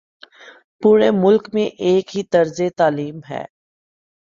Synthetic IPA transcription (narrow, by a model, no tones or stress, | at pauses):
puːɾemʊlkmẽʔeːkɦit̪ɐɾzet̪aːliːmɦɛ̰ː